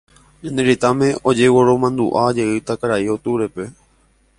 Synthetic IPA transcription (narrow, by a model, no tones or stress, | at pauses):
ɲãneɾit̪amẽ̞od͡ʒewoɾomãnd̪uʔad͡ʒeɨt̪akaɾaiot̪uɾepe̞